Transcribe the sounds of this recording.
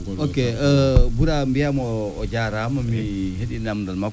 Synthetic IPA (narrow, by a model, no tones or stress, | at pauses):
okeəbuɾambijamːd͡ʒaɾaamamiheɗinamndalma